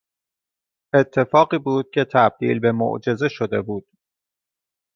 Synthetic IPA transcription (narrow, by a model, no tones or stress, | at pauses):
ʔe̞t̪ʰːe̞fɒːɢiːbuːd̪̥̚cʰe̞t̪ʰæb̚d̪̥ḭːlbe̞mo̰ʔd͡ʒe̞ze̞ʃod̪e̞buːd̪̥̚